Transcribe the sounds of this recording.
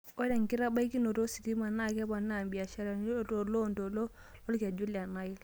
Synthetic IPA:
ɔ˦da˨ŋki˦ɾa˦ba˦i˦ki˦no˨ɾo˦si˨ti˦ma˨na˦˨kɛ˦ba˨na˦˨mbi˨a˨ʃa˦ɾa˨n˦to˨lɔ˦˨ndo˨lɔ˦ | lɔ˦lka˨d͡ʒu˦la˨na˦i˦l

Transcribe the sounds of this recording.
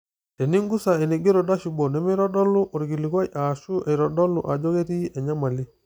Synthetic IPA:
te˨ni˦ŋɡu˦sa˨e˨ni˨ɡe˦ɾo˨da˦ʃu˨bo˨ne˨me˦ɾɔ˦dɔ˦lu˦ʔo˨ɾɡi˨li˨kwa˦jʔa˨ʃu˦ʔe˨ɾɔ˨dɔ˦lṵ˨ʔa˨d͡ʒo˦ɣe˦ɾi˦e˨ɲa˦ma˨li˦

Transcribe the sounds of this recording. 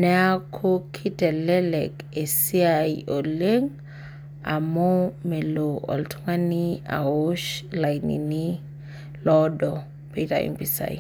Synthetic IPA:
nɛ˦a˦kʰokʰi˦tɛ˨lɛ˦lɛ˨ke˨si˦aiɔ˨leŋ | a˨mo˦me˨loɔ̰˨ltʰu˦ŋa˦ni˦a̰˨o˦ʃla˨jnḭni | lɔdɔ˨ | petaɛ̰npisa̰ḭ

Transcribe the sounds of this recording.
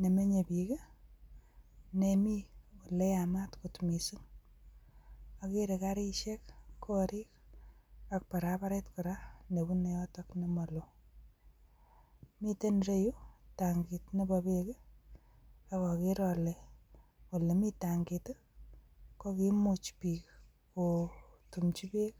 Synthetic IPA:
ne˨me˦ɲe˨pi˨ke˦ | nemi˦ku˨le˦jama˦tkutmi˨si˦ŋ | a˨ki˦ɾekaɾi˦ʃek̚kʰo˦ɾi˦k̚ | ak̚pa˨ɾapa˦ɾetkuɾa˦ne˨bu˦ne˨jɔ˦tɔknemɔ˨lo˨ | mitenre˦ju˦taŋɡitnepapek | akɔ˨kiɾɔle | ko˨le˨mitaŋɡit | kokimut͡ʃpi˨k | kotumt͡ʃi˦pe˦k

